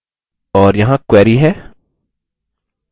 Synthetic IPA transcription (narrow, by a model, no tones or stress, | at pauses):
ɔːɾjɐɦãkwɛːɾiɦɛː